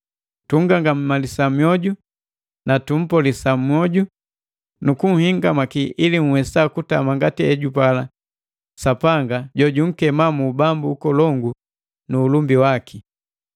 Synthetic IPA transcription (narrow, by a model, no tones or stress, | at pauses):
tuŋ̩ɡaŋɡam̩malisamjɔɟu | natum̩pɔlisam̩ɔɟu | nukuŋ̩hiŋɡamakiiliŋ̩wɛsakutamaŋɡatiɛɟupala | sapaŋɡaɟɔɟuŋ̩kɛmamubambuːkɔlɔŋɡu | nuːlumbiwaki